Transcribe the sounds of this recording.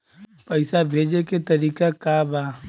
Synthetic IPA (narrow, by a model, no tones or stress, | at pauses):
pəɪsabʱeːd͡ʒeket̪ɐɾiːkakabaː